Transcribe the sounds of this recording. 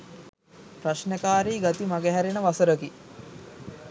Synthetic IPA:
pɾaʃnəkaːɾiːɡat̪imaɡeɦæɾenəʋasəɾəki

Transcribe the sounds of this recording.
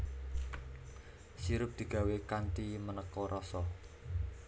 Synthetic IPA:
siɾʊp̚d̪̥i̤ɡ̥a̤wekant̪imənəkɔɾʔɔsɔ

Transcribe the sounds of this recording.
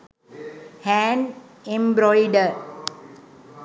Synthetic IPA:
hæ̃nẽmbɾɔɪɖəɾ

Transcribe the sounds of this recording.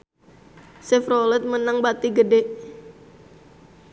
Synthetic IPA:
sɛfɾolɛt̪̚mənaŋbat̪iɡədeʔ

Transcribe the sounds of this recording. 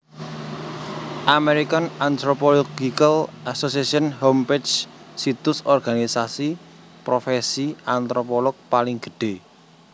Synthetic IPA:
ʔameɾikanant̪ɾopoloɡikalʔasosiasiɔnhomped͡ʒsit̪ʊsɔrɡ̥anisasi | pɾofesiant̪ɾopɔlɔk̚palɪŋɡ̥ə̤̥ɖ̥e

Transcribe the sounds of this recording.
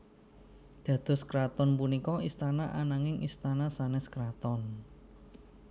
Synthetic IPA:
d̪̥ä̤d̪̥ɔ̤skɾat̪ɔnpunikɔist̪anaʔanaŋɪŋist̪anasanɛskɾat̪ɔn

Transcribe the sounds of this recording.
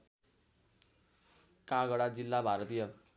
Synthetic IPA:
kaɡʌɽad͡zilːabʱaɾʌt̪ijʌ

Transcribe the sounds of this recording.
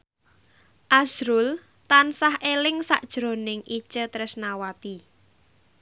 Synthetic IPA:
ʔasɾʊl | t̪ansahelɪŋsa̰ʔd̥ʒ̥ɾo̤nɪŋʔi̥ʒ̥ət̪ɾɪsnawat̪i

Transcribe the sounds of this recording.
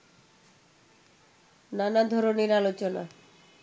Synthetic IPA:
nanad̪ʱɔɾoneɾalot͡ɕona̰

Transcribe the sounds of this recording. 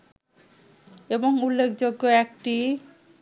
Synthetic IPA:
eboŋulːekʰd͡ʑoɡːoɛk̚ʈi

